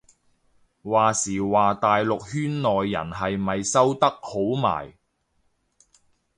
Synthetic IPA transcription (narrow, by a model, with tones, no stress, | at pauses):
waː˨siː˨˩waː˨t̪aː˨jlʊ˨k̚hyː˥nːɔː˨jːɐ̰˨˩nɦɐ˨jmɐ˨jsɐ˥wt̪ɐ˥k̚ho˨˥wma̰ː˨˩j